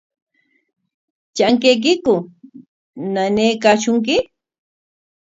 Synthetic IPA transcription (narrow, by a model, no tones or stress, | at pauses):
t͡ʃaŋk̬ejk̬ɪkʊ | naneːkaːʃʊŋk̬ɪ